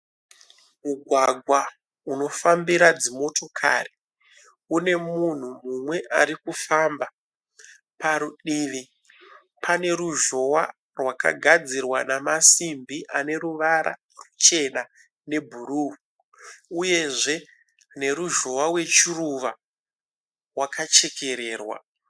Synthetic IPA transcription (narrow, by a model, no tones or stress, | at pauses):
muɡʱwaɡʱwa | uno̞fambiɾad͡zimo̞to̞kʰa̰ri̥ | une̞mun̤umumwe̞ʔaɾikufamba | paɾuɗiːʋi | pʰane̞ɾuʒo̞wa | rwaka̰ɡʱad͡zirwanamasimbiʔane̞ɾuʋaɾa̰ | rut͡ʃe̞na | ne̞bʱuɾuu | uje̞ʐe̞ | ne̞ɾuʒo̞wawe̞t͡ʃiruʋa | rwakʰat͡ʃe̞ke̞ɾe̞ːrwa̰